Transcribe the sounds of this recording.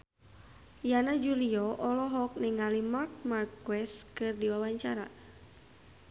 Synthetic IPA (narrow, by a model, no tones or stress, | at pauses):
janad͡ʒuliɔʔɔlɔɦɔk̚nɛŋalimark̚markwɛskɨrdiwawaɲt͡ʃaɾa̰